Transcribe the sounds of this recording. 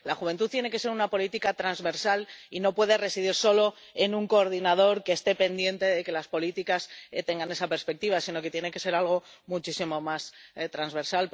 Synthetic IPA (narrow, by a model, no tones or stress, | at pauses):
laxuβ̞e̞nt̪uðt̪jene̞ke̞se̞ɾunapo̞lit̪ikat̪ɾanzβe̞ɾsalino̞pwe̞ðe̞re̞siðiɾso̞lo̞ | e̞nuŋko̞ːɾðinað̞o̞ɾke̞ːst̪e̞pe̞nd̪je̞nt̪e̞ðe̞ke̞laspo̞lit̪ikast̪e̞ŋɡane̞sape̞ɾspek̚t̪iβ̞asino̞ket̪je̞ne̞ke̞se̞ɾalɣ̞o̞mut͡ʃisimo̞mast̪ɾanzβe̞ɾsalp